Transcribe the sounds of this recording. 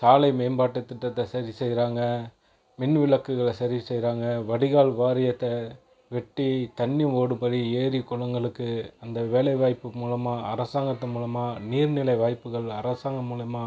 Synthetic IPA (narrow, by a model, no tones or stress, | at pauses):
saːlɐɪmeːmbaːʈːɐt̪ːɪʈːɐt̪ːɐsɐɾisɛjɾaːŋɡɐ | mɪnʋɪɭɐkːɯɣɐɭɐsɐɾisɛjɾaːŋɡɐʋɐɽɪɣaːɭʋaːɾɪjɐt̪ːɐ | ʋɛʈːit̪ɐɳːɯoːɽɯmbɐɾieːɾikɔlɐŋɡɐɭɯkːɯɐnd̪ɐʋeːlɐɪʋaːjpːɯmuːlɐmaːʔɐ̰ɾɐsaːŋɡɐt̪ːɐmuːlɐmaːniːɾnɪlɐɪʋaːjpːɯɣɐɭɐɾɐsaːŋɡɐmuːlɐmaː